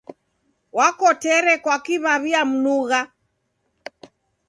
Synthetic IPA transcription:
wakɔtɛɾɛkwakiβaβiam̩nuɣa

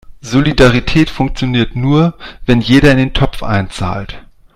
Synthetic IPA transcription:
zolidaʁitʰɛːtfʊŋk̚t͡sjoniːɐtnuːɐvɛnjeːɾɐɪndeːntʰɔpp͡fʔa̰ɪnt͡sa̰ːlt

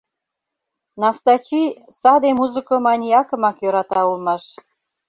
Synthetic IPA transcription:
nɑst̪ɑt͡ɕi | sɑd̪emuzə̆komɑnʲiɑkə̆mɑkjøɾɑt̪ɑulmɑʃ

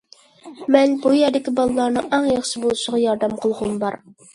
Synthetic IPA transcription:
mɛnbujɛɾd̪ɪkʲɪbɑlˠlːˠɑɾnɨʔɑŋjɑχʃɪbolˠuʃɪʁɑjɑɾd̪ɛmqʰəlˠʁʊmbɑɾ

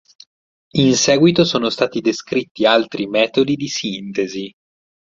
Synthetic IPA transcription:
insɛːɡwit̪osoːnost̪aːt̪id̪eskɾit̪ːialt̪ɾimɛːt̪od̪id̪isint̪ezi

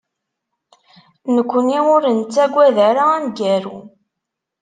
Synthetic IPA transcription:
nəkʷːəniʊɾənt͡sːæɡʷːæðæɾaænɡæɾu

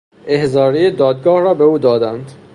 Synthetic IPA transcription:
ʔehzɒːɾejed̪ɒːd̪̚ɡɒːhɾɒːbeuːd̪ɒːd̪ænd̪

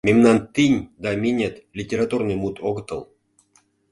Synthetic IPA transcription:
mʲemnɑnt̪inʲd̪ɑmʲinʲet̪lʲitʲːeɾat̪urnɨjmut̪ʰoɣət̪ə̰̆lˠ

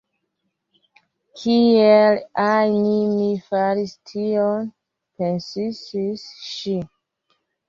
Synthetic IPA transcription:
kʰielajnimifaɾistʰion | pensisisʃi

